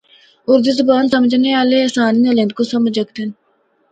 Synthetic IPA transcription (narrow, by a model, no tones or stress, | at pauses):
ʊɾd̪izʊbaːnsɐməd͡ʒʱneaːleɐsaːniːɐlẽnd̪kosɐməd͡ʒɐkt̪en